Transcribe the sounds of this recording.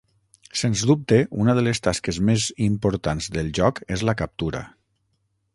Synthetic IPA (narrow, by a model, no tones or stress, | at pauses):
senzdup̚t̪eʔunəðəlest̪askezmezimpoɾt̪anzðəlˠʒɔkezləkəp̚t̪uɾə̰